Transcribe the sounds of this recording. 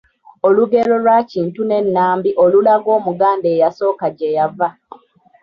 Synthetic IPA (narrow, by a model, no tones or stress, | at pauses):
oluɡe̞lo̞lwaciːntune̞nːaːmbiʔolulaɡo̞ːmuɡaːndeːjaso̞ːkaɟejava